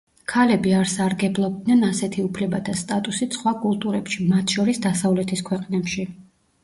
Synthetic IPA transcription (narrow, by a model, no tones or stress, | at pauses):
kʰalɛbiaɾsaɾɡɛblˠɔb̚d̪nɛnasɛt̪ʰiupʰlɛbat̪ʰast̪ʼat̪ʼusit̪sχwakʼulˠt̪ʼuɾɛpʃimat̪ʰʃɔɾisd̪asavlɛt̪ʰiskʰwɛqʼnɛpʃi